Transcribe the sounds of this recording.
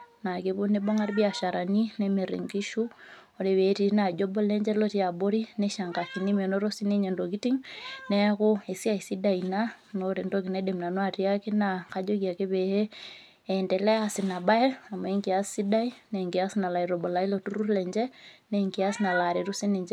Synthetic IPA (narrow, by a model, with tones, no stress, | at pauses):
na˨keβu˦nebɔ˦ŋa˦ɾbia˨ʃa˨ɾani˦nɛme˨ɾḭ˨ŋɡi˦ʃu˦o˨ɾe˨we˨ti˨˦na˨d͡ʒɔ˦bɔ˦lɛ˦ɲd͡ʒɛ˦lɔti˦a˨bo˦ɾinɛʃa˨ŋɡa˨kini˦mɛnɔɾo˦si˦ne˦ɲe˨ndoɡi˦ti˦ŋnɛ˦koe˨si˦a˦i˨si˦daina | noɾendoɡi˨nɛ˦de˨mna˨nwa˨ɾi˦a˦ki˦nakad͡ʒɔkia˨ke˦βe˨he˦ | ɛndɛ˨lɛ˦asi˨na˨ba˦ɛ˦a˨ma˨eŋɡi˨assi˦da˦i˦nɛŋɡi˨a˦sina˨la˨i˨ɾɔ˨bɔ˨la˨i˦lotu˦ɾu˦lɛɲd͡ʒɛ˦neŋɡia˦sina˨la˨ɾe˨ɾu˦si˦ne˨ɲd͡ʒɛ